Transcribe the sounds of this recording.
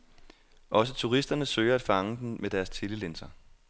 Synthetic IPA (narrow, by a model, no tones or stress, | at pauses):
ʔɒ̽s̬ət͡sʰuʁisd̥ɐnəsø̰ːɪɐæd̥fɑ̈ŋəd̥enmed̥æɐst͡sʰe̝ləlensɐ